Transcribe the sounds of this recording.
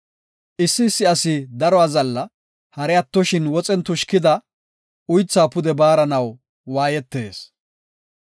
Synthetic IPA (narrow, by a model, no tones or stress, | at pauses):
ʔɪsːɪsːɪɐsɪd̪ɐɾɔazɐlːɐ | hɐɾɛɐt̪ːɔʃɪnwɔt͡sʼɛnt̪ʊʃkɪd̪ɐ | ʊjt͡sːaːpʊd̪ɛbaːɾɐnɐw | waːjɛt̪ːe̞ːs